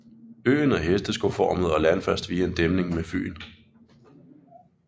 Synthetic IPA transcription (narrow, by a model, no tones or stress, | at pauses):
ø̰ːnɒ̽ɦesd̥əsɡ̥o̝fɒ̰ːməð̩ˠɒ̽lænfæsd̥ʋiːæe̝nd̥emne̝ŋmefy̰ːn